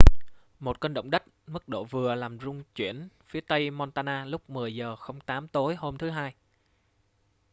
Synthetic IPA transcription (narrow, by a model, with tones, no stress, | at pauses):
mo˨˩t̚kəː˧nɗə̰˧˨wŋ͡mɗə˦˥k̚mɨ˦˥k̚ɗo̰˧˩vɨ˨˩əlaː˨˩mzʊ˧ŋ͡mt͡ɕwi˧˩ənfi˨˦ət̪ə˧jmɔ˧nt̪aː˧naː˧lʊ˦˥k͡p̚mɨ˨˩əjzəː˨˩xə˧wŋ͡mt̪aː˨˦mt̪o˨˦jho˧mt̪ʰɨ˨˦ɦaː˧j